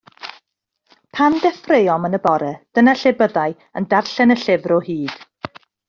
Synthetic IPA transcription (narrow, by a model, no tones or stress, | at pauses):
pʰandɛfrejɔmənəbɔɾɛd̥ənaɬɪbəðaɨ | əndarɬɛnəɬɪvrɔhiːd̥